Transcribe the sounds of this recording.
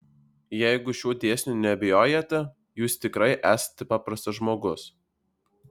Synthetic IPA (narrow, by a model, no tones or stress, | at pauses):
jɛɪɡʊʃʲuːd̪ʲeːsʲnʲuːnʲɛbʲɪjoːjɛt̪ʲɛ | juːst̪ʲɪkɾɐɪʔæːsɐ̥t̪ʲɛpɑːpɾɐst̪ɐʒmoːɡʊs